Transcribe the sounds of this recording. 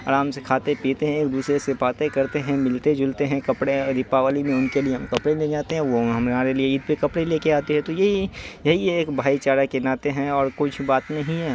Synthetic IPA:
a̰ːɾaːmsekʰaːt̪epiːt̪eɦɛ̃eːk̚d̪uːsɾesepaːt̪ekɐɾt̪eɦɛ̃mɪlt̪ed͡ʒʊlt̪eɦɛ̃kɐpɽeɾɪpːaʋaːlimẽʊnkelieɦɐmkɐpɽelẽd͡ʒaːt̪eɦɛ̃ʋõɦɐmaːɾelieiːd̪̚pekɐpɽeleːkeaːt̪iɦɛ̃t̪ojɐɦijɐɦieːkbʱaːit͡ʃaːɽakenaːt̪eɦɛ̃ɔːɾkʊt͡ʃʰbaːt̪nɐɦĩɦɛː

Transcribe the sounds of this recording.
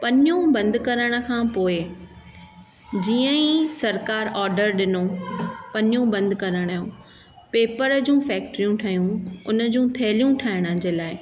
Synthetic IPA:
pɐɲũbɐ̃nd̪kɐɾəɽ̃ə̆kʰãːpoːɪ | d͡ʑiːə̃ĩsɐɾkaːɾɔːɾɖəɾɗɪnopɐɲũbɐ̃nd̪kɐɾəɽ̃aːjũ | peːpəɾd͡ʑũːfɛːk̚ʈɾijũʈʰaːɦijũʊnə̆d͡ʑũt̪ʰeːlijũʈʰaːɦɪɽ̃əd͡ʑeːlaːɪ

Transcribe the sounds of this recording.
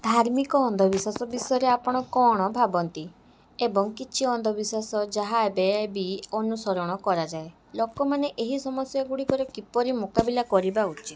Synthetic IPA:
d̪ʱaɾmikɔːnd̪ʱɔbiswasɔbisɔjɔɾeapɔɽ̃ɔkɔɽ̃ɔbʱabɔnt̪i | ebɔŋkit͡ʃʰiɔnd̪ʱɔbiswasɔd͡ʒaɦaebeebiɔnusɔɾɔɽ̃ɔkɔɾad͡ʒae | lɔkɔmaneʔeɦisɔmɔsjɔɡuɽikɔɾɔkipɔɾimukabilakɔɾibaut͡ʃʰi̥t̪

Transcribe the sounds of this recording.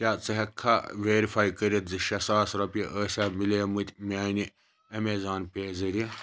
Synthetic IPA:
tʲaːt͡sɨɦɐkʰːaʋʲeːɾifaːjkəɾit̪zɨʃɐsaːsɾɐpiʔəːsʲaːmileːmɨt̪ʲmʲaːni | ɐmeːzaːnpʲeːzɐɾi

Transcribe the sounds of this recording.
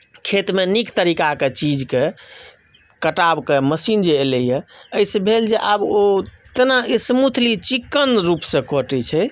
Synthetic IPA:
kʰet̪menikt̪əɾikaket͡ʃid͡ʒke | kəʈabkeməsind͡ʒeːləjɛəsẽbʱeld͡ʒeʔabot̪naesəmut̪ʰlit͡ʃikːənɾupsə̃koʈɛt͡ʃʰɛ

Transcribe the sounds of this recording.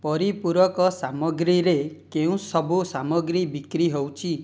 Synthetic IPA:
pɔɾipuɾwɔkɔsamɔɡɾiɾekeũsɔbusamɔɡɾibikɾiɦowt͡ʃʰi

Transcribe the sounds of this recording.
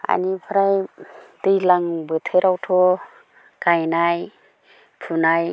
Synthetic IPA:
a̰nipʰaɾajt̪ɯjlaŋbɯt̪ʰeɾawtʰo | kajnaj | pʰunaj

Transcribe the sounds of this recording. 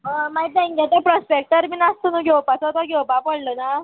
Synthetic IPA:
əmait̪ẽŋɡet̪epɾɔspek̚ʈəɾminast̪onũɡʱewpat͡sɔt̪ɔɡewpapəɽləna

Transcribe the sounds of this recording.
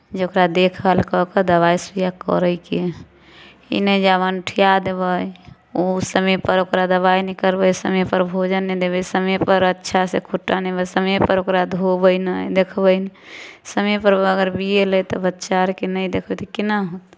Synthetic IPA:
d͡ʒokɾad̪ekʰəlkɔked̪əβajsujakə̰ɾəjke | ḭnəd͡ʒabənʈʰijad̪ebəj | osəmepəɾokɾad̪əβajnɛkəɾbəjsəmɛpəɾbʱod͡ʒənːɛd̪ebəsəməpəɾətːʃʰasekʰuʈːanɛbəsəmepəɾokɾad̪ʱobəjnəjd̪ekʰbəjnsəmepəɾəɡəɾbielət̪ɔbətːʃaɾkenəjd̪ekʰbət̪ɔkinaɦot̪

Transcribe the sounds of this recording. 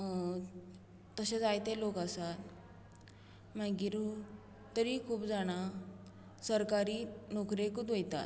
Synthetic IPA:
t̪əɕet͡sajt̪elokasat̪ | maɡiːɾ | t̪əɾiːkʰuːpd͡zaɽ̃a | səɾkaɾiːnokɾekut̪ʋejt̪a̰t̪

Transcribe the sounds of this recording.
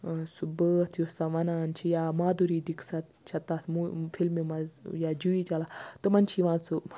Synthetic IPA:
subəːt̪ʰjusaʋɐnaːnt͡ʃʰijamaːd̪uɾiːd̪iksɐt̪t͡ʃʰɐt̪at̪ʰmufʰilmimɐzjad͡ʒuit͡ʃalat̪ɨmɐnt͡ʃʰiʋãːt͡su

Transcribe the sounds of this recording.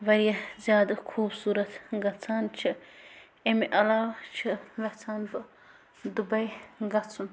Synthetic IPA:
ʋɐɾijɐzʲjaːd̪ɐkʰuːbsuːɾɐt̪ɡɐt͡sʰaːnt͡ʃʰi | emiʔɐlaːwt͡ʃʰiʋɐt͡sʰaːnbɨ | d̪ubɐjɡɐt͡sʰun

